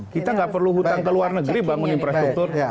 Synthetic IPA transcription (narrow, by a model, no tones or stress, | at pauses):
kit̪aŋɡaʔpərluɦut̪aŋkəluarnəɡɾibaŋʊninfɾast̪ɾuk̚t̪ʊr